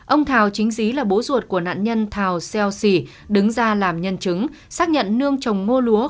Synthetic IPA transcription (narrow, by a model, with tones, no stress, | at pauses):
ʔə˧wŋ͡mt̪ʰaː˨˩wt͡ɕï˨˦ŋ̟zi˨˦laː˨˩ɓo˨˦zu˨˩ət̚ku˧˩əna̰ː˧˨nɲə˧nt̪ʰaː˨˩wsɛ˧wsi˧˩ | ɗɨ˨˦ŋzaː˧laː˨˩mɲə˧nt͡ɕɨ˨˦ŋ | saː˦˥k̚ɲə̰˧˨nːɨ˧əŋt͡ɕə˨˩wŋ͡mŋo˧lu˨˦ə